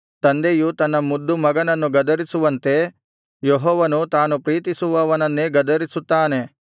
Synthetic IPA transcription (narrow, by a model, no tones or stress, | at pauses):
t̪ɐnd̪ejut̪ɐnːɐmud̪ːumɐɡɐnɐnːuɡɐd̪ɐɾisuʋɐnt̪e̞ | jeɦɔːʋɐnut̪aːnupɾiːt̪isuʋɐʋɐnɐnːeɡɐd̪ɐɾisut̪ːaːne̞